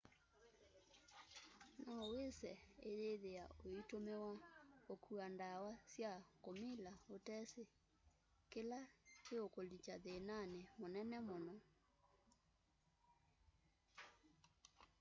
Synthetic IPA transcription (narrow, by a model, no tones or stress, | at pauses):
nawesɛeðeðeaoitomewaokʰuandawasjakomilaotɛse | kelakeokolit͡ʃaðenanemonɛnɛmonɔ